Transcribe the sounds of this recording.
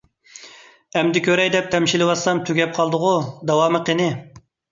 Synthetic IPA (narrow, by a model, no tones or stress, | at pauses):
ɛmd̪ɪkʲʰøɾɛjd̪ɛp̚t̪ʰɛmʃilɪwɑsɑmt̪ʰyɡʲɛp̚qʰɑlˠd̪ʊʁʊd̪ɑwɑːmɨqʰənɪ